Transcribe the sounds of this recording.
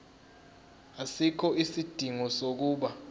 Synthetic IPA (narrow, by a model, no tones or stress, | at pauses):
asikʰɔisid̥ʱiŋɔsok̬uːɓa